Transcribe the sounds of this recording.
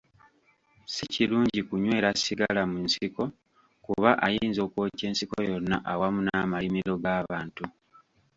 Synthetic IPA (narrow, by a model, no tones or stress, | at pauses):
siciluːɲɟikuɲwe̞ːɾasiɡalamunsiko̞ | kuβaʔajiːnzo̞ːkwoce̞ːnsiko̰jo̞nːa̰ʔawamunamalimiɾo̞ɡaːβaːntu